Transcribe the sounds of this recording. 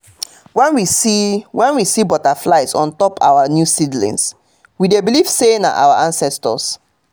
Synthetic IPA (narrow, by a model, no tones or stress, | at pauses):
wɛ̃nwisiwɛ̃nwisibɔtaflaɪtsɔ̰̃ntɔpʰa̰wanjusidlḭ̃ns | widebiliv̥sena̰ʔa̰wa̰ʔãnsɛstɔ̰s